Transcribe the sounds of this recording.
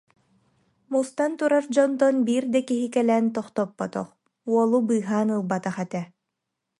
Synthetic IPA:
must̪ant̪uɾaɾd͡ʑɔnt̪ɔnbiːɾd̪ɛkiɦikɛlɛːnt̪ɔχt̪ɔpːɔt̪ɔ̰χ | uɔlˠubɯːɦaːnɯlˠbat̪aχɛt̪ɛ

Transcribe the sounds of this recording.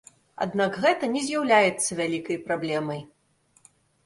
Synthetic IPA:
a̰d̪naɡɣɛt̪ɐnʲɛzʲjawlʲajɛt̪sːɐvʲalʲikɐjpɾablʲɛmɐj

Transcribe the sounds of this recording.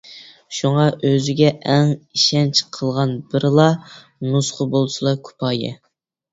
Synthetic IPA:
ʃuŋɑʔøzɪɡʲɛʔɛŋiʃɛnt͡ʃʰqʰəlˠʁɑnbɪɾɨlˠɑ | nusχəbolˠsɨlˠɑkʲʰu̥pʰɑːjɪ̰

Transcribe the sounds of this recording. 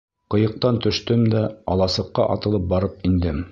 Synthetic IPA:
qɤ̆jɤ̆q̚t̪ɑnt̪ɵ̆ʃt̪ɵmd̪æɒlˠɑsɤ̆qːɑʔɑ̰t̪ɤ̆lˠɤp̚bɑɾɤp̚ind̪ɘm

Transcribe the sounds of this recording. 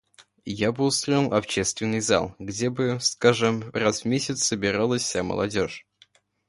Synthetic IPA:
jabɨʊst̪ɾoɪlˠɐpɕest̪vʲɪnːɨjza̰lˠɡdʲebɨskaʐɨmrasvmʲesʲɪt̪ssəbʲɪɾalˠəsʲfʲsʲamə̰lˠɐ̰dʲoʂ

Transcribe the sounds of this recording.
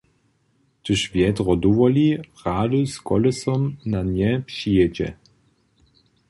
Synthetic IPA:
t̪ɨʃvjɛd̪ʁɔduvɔliʁaːduskɔlɛsɔmnanjɛpɕijɛd͡ʑɛ̰

